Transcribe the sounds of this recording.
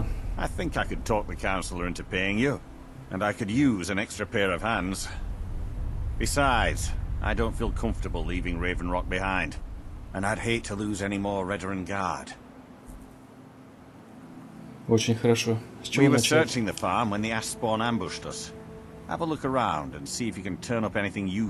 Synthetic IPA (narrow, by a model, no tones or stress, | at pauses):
ʔaɪθɪ̃ŋkaɪkɨd̚tʰɔk̚ðɨkʰãʊ̃nsl̩ˠə˞ɪ̃ntʉpʰeɪɪ̃ŋjɨ | ʔɨ̃naɪkɨdjʉzɨ̃nɛkstɹ̥ɨpʰɛɹʌv̥hæ̃nz̥ | b̥ɨsaɪdz̥ʔa̰ɪdõʊ̃ntfilˠkʰʌ̃ɱftə˞bəl̩ˠlivɪ̃ŋɹeɪṽn̩ɹɑk̚b̥ɨhãɪ̃ndɨ̃naɪd̚ɦeɪtʰəluzɛnimɔɹɹɛɾə˞ɨ̃nɡɑɹd̥ | ot͡ʃɪnxəɾaʃost͡ʃiwə˞sɜ˞t͡ʃɪ̃ŋðɨfɑɹmwə̃nðiæsbɔɹnæ̃mbʊʃtʌs | hæ̰vəlʊkə˞ãʊ̃ndɨ̃nsiɨfjɨkɨ̃ntʰɜ̃˞ñʌpɛniθɪ̃ŋjʉ